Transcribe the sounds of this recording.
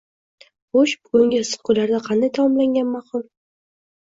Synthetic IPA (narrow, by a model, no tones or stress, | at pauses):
boʃbʊɡʊŋɡʲasɨ̥χqʊlaɾd̪aqʰɑnd̪ajt̪ʰamɒmlaŋɡʲanmɑqʊlˠ